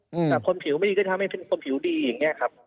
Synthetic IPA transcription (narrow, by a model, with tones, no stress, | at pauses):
t̪ɛː˨˩kʰo˧npʰi˨˩˦wma˧˩di˧k̪ːʰa˧˦a˥˩pʰe˧nkʰo˧npʰi˨˩˦wdiː˧ja˨˩ŋːi˦˥ɐkʰa˦˥p̚